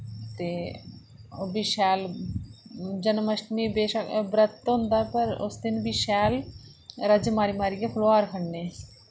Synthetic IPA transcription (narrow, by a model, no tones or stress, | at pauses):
t̪e | biʃal | d͡ʒɐnmɐʃmibeʃɐkbɾɐt̪ːond̪aɾpɐɾo̰st̪inbiʃaːl | ɾad͡ʒɐmaɾimaɾiɡefʰuloaːɾkʰɐɳne